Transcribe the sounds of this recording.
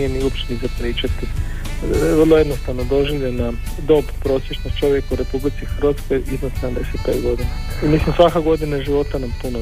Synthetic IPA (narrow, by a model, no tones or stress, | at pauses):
ijeniuopt͡ʃenizapɾiːt͡ʃat̪i | ʋərlˠojed̪nost̪aʋnod̪o̞ʒiʋʎʲena | d̪o̞bpɾoːsjeʃnost̪t͡ʃo̞ʋjekauɾe̞publit̪sixr̩ʋat̪sko̞jiznoseamd̪eset̪̚pet̪ɡo̞d̪ina | imislimsʋakaɡo̞d̪inaʒiʋo̞t̪anampuno